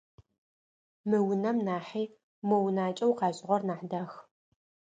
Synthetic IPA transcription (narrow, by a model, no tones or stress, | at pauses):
mɨwʊnɐmnaːħiː | mownaːt͡ʃʼɐwqɑːɕʼɪʁʷɔrnaːħdax